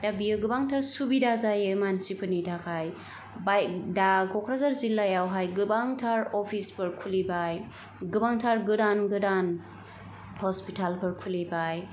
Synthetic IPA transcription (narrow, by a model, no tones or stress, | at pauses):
d̥abijɯɡɯbaŋtʰaɾsubidazajɯmansipʰɯnidakʰaj | bajkdaɡʰɔkɾazaɾzilːajawɦajɡɯbaŋtʰaɾɔpʰispɯɾkʰulibaj | ɡɯbaŋtʰaɾɡɯdanɡɯdan | hɔspitʰalpʰɯɾkʰulibaj